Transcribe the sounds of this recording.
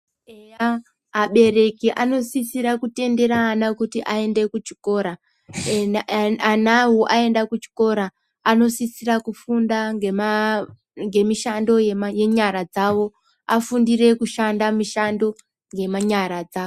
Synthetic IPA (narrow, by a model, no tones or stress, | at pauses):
eja | ɦːɓe̞ɾe̞kiʔano̞sisiɾakute̞nde̞ɾaːnakutiʔae̞nde̞kut͡ʃi̥ko̞ːɾa | anawoʔae̞ndakut͡ʃi̥ko̞ɾaː | no̞sisiɾakufundam | ŋɡe̞miʃando̞jeje̞ɲaɾad͡zawo̞ | afundire̞kuʃandamiʃando̞ | ŋɡe̞maɲaɾad͡zaːo